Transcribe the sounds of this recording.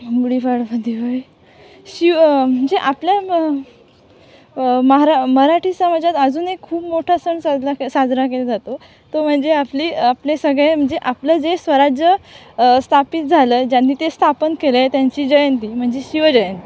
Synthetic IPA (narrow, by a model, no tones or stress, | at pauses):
ɡuɽifaɽfad̪iʋai | ɕiʋm̤əɳd͡zeʔaplja | məɦaɾaməɦɾaʈʰiːsəməd͡zat̪əd͡zuːnekʰːuːpmoʈʰasəɳsad͡zasad͡znakeled͡zat̪o | t̪om̤əɳd͡zeapliːaplesəɡɭẽm̤əɳd͡zeʔapləd͡zesʋəɾad͡ʑjə | st̪ʰapiːt̪̚d͡zʱaləːd͡ʑjanːiːt̪est̪ʰapənkelaet̪jaɲt͡ɕiːd͡ʑəjənt̪iːm̤əɳd͡zeɕiʋəd͡ʑəjənt̪i